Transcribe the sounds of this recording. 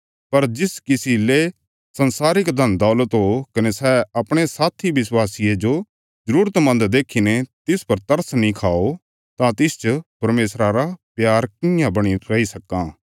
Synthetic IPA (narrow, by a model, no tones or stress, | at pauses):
pɐɾd͡ʒɪskɪsile | sɐnsaːɾɪkd̪ʱɐnd̪ɔːlət̪ɦokɐnesɛɐpɽ̃esaːt̪ʰiʋɪswaːsijed͡ʒo | zɐɾuːɾət̪mɐ̃nd̪d̪eːkʰinet̪ɪspɐɾt̪ɐɾsnĩkʰaːo | t̪ãt̪ɪst͡ʃpɐɾmeːsɾaɾapjaːɾkɪjãbɐɽ̃iɾɐisɐkːãː